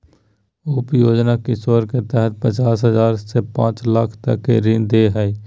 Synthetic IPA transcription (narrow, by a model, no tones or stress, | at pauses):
upjoːd͡ʒnakisoːɾket̪ɛɦɛt̪̚pət͡ʃaːs̬ɦəzaːɾsepã̰ːt͡ʃləkʰt̪ə̰kːḛɾɪ̃nd̪eɦɛi